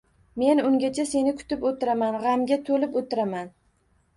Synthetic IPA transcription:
me̞nʊŋɡʲat͡ʃʰase̞nɪkʰʊ̥t̪ɪpot̪ʰɪɾamanʁɑmɡʲat̪ʰolɪpot̪ʰɪɾaman

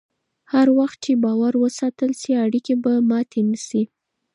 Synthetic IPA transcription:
haɾwaxt̪̚t͡ʃebɑwaɾwəsɑt̪əlsiaɽikebamɑt̪ʰemisi

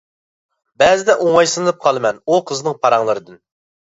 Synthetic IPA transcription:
bɛzɪd̪ɛʔoŋɑjsɨnɨlˠɨp̚qʰɑlˠɨmɛnuqʰəzɨnɨŋpʰɑɾɑŋlˠɨɾɨd̪ɨn

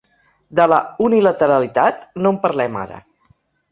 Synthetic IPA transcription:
d̪ələunilət̪əɾəlit̪at̪nompəɾlɛma̰ɾə̰

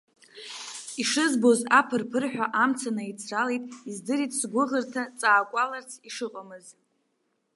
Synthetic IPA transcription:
iʂɨzbo̞zapʰɨrpʰɨrħʷᶣaʔamt͡sʰanait͡sʰralejtʼizdɨɾitʼsɡʷʊʁərtʰat͡sʼaːkʷʼalart͡sʰiʂɨqʼamɨz

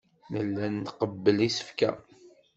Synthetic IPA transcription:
nəlːænːqəbːəlisə̥fkæ̰

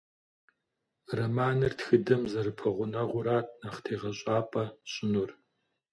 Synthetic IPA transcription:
rɐmaːnɨrtxɨdɐmzɐrɨpʰɐʁʷʊnɐʁʷʊɾaːt̚ʰnɐχtʰeːʁɐɕʼaːpʼɐɕʼɪnur

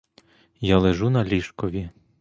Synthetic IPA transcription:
jalˠeʒunɐlʲiʃkɔʋʲi

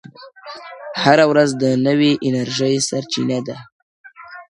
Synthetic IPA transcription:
haɾawɾazd̪ənəweʔɪnaɾʒəjsaɾt͡ʃinad̪a

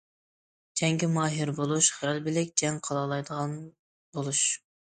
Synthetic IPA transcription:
d͡ʒɛŋɡʲɪmɑːɦɪɾbolˠuʃχlbɪlɪkʲd͡ʒɛŋqʰɑlˠɑlˠɑjd̪əʁɑn | bolˠuʃ

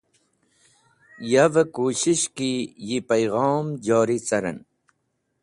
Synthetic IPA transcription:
javəkuːɕiɕkijipɐjɣɑːmd͡ʑɑːɾit͡sɐɾə̰n

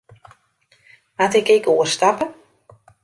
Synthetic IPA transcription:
matɪkekoəstapə

